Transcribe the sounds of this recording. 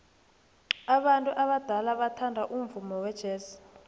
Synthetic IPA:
aɓantʼuʔaɓad̥ʱalaɓatʰandʱaʔumvumɔwɛd̥ʒ̥ʱeːsi̥

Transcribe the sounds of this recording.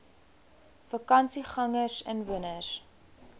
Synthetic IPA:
fɐkɐnsiχɐŋəsənvuənəs

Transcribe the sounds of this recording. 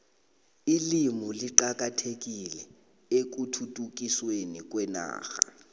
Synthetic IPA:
ilimuliǃak̬ʼatʰek̬ilɛ | ek̬utʰutʼuk̬ʼiswenik̬wɛna̰ːxa

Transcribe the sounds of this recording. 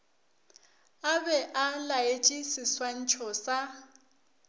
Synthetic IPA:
abɛʔalajet͡ʃʼisiswan̩t͡ʃʰʼɔsa

